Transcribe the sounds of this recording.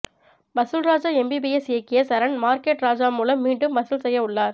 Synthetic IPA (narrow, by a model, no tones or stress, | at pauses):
bɐsɯlɾaːd͡ʒaːɛmbibiɛsjɐkːɪjɐsɐɾɐɳmaːɾkeːʈɾaːd͡ʒaːmuːlɐmːiːɳɖɯmbɐsɯlsɛjːɐʊɭːaːɾ